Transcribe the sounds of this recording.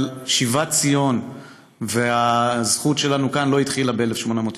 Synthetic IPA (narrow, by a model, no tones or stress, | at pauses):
ʃivat͡sijo̞n | veazχut̪ʃe̞lanukanlo̞it̪χilabeelefʃmonamoːt